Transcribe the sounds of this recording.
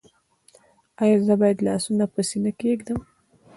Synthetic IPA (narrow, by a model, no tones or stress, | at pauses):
ɑjɑzəbɑjəd̪lɑ̰ːsunapəsinakeɡd̪əm